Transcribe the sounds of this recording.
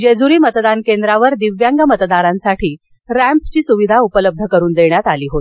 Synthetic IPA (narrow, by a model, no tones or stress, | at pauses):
d͡ʑed͡zuɾiːmət̪d̪ankend̪ɾaʋəɾd̪iʋjaŋɡamət̪d̪aɾãnsaʈʰiː | ɾæ̃mpt͡ɕiːsuʋid̪ʱaupələb̚d̪ʱəkəɾuːnd̪eɳjat̪aliːɦot̪